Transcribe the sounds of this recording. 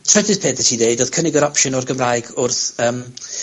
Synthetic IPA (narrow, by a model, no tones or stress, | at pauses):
tʰrɛdɪzpʰeːʔðəthidejdɔð̥kʰənɪɡəɾɔpʃənɔrɡəmrajɡʊrθəm